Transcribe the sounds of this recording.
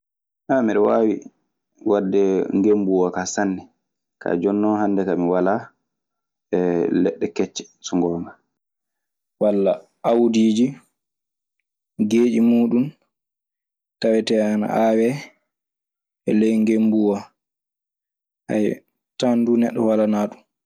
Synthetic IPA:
hamiɗɔwaːwḭ | wadːɛŋɡembuwakasanːɛ | kʰa̰d͡ʒɔnːɔhandɛkamiwala | ɛlɛɗːɛkɛt͡ʃːɛ̥ | sɔŋɡɔma | walːa | ʔawdiːd͡ʒi | ɡeːd͡ʒimuːɗum | tawɛtɛana̰ʔaːwɛ | ʔɛ̰lɛjŋɡembuwa | ha̰j | tandunɛɗːɔwalanaːɗum

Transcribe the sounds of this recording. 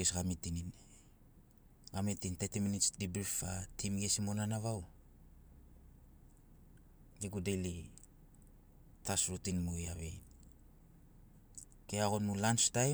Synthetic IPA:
esɡamitinin | ɡamitintetiminitsdibɾifatʰimɡesimo̞nanaβaw | ɡiɡudeli | tasɾutinmujaβe | keaɣonmulanstaj

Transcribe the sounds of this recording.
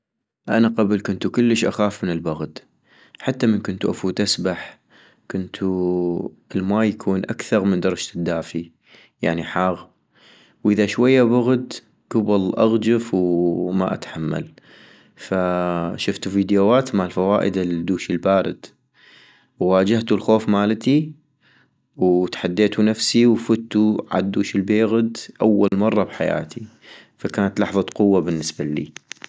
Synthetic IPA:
ʔanaqɑblkʊnt̪ukʊlːəʃʔaxaːfmɪnɪlbʊɣd̪ | ħat̪ːamənkʊnt̪uʔafuːt̪ʔasbaħ | kʊnt̪ʰu | ʔɪlmaːjakʰuːnʔakθɑɾˤmənd̪ɑɾˤɑd͡ʒd̪ːaːfi | jaʕniħaːɣ | wʔɪðaʃwajːabʊɣd̪ | ɡ̥ʊbɑlʔaɣd͡ʒafwma̰ʔa̰t̪ħamːa̰l | faʃʊft̪uviːd̪jowaːt̪maʕlfawaːʔɪ̰d̪ald̪ːuːʃɪlbaːɾɪ̰d̪̥ | wːaːd͡ʒaht̪ulxoːfmaːlt̪i | wt̪ħad̪ːeːt̪unafsiwfʊt̪ːuʕa̰d̪ːuːʃɪlbeːɣd̪ʔawːalmɑrˤːɑbħaja̰ːt̪ʰi | fakaːnat̪lɑħðˤɑqʊwːabɪnːɪsbalḭː

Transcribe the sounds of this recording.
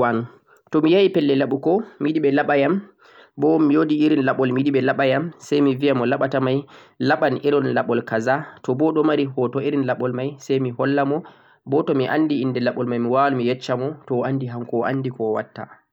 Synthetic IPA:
wan | tɔmijaipɛlːɛlaɓukɔmiɗiɓɛlaɓajam | bɔmijodiiɾinlaɓɔlmiɗiɓɛlaɓajamsajmivijamɔlaɓatamajlaɓaniɾɔnlaɓɔlkazatɔbɔɗɔmaɾihɔtɔiɾinlaɓɔlmajsajmihɔlːamɔ | bɔtɔmiʔa̰nːdiindɛlaɓɔlmajmiwalumijɛt͡ʃːamɔtɔandiɦaŋkɔʔa̰ndikɔwa̰tːa̰

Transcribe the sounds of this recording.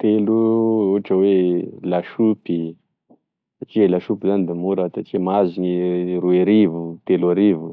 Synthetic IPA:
t̪eluuʈ͡ʂəwelaʃupi | saʈ͡ʂielaʃupizand̪imuɾat̪aʈ͡ʂimaziɲiɾueɾivut̪eluaɾivu

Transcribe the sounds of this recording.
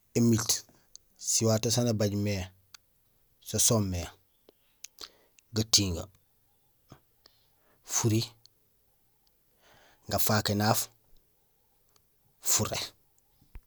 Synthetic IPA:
emit | siwaːtos̬anabaɟmeː | sosomːe | ɡɐtiːŋɡa̰ | fuɾi | ŋɡafaːkenaːf | fuɾḛ

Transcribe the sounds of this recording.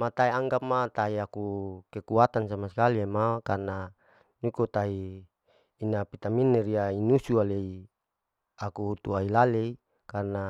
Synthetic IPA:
mat̪aiaŋɡap̚mat̪aiakukekuat̪ansamaskaliemakarna | ɲukut̪aiː | napit̪aminːeɾiainusualei | akuɦut̪uailalei | karna

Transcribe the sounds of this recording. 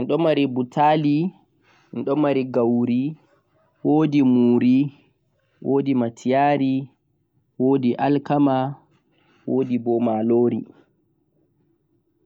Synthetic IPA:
ɛnɗɔmːaɾibutʰali | ɛnɗɔmːaɾiɡawɾi | woːdimuːɾi | wʔoːdimatʰijaːɾi | woːdiʔalkama | woːdibɔmaloːɾḭ

